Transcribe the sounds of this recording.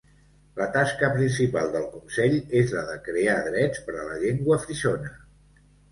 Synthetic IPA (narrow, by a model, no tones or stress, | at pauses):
lət̪askəpɾinsipalˠd̪əlˠkunsɛʎezləðəkɾeaðɾɛt͡spəɾələʎeŋɡwəfɾiʃonə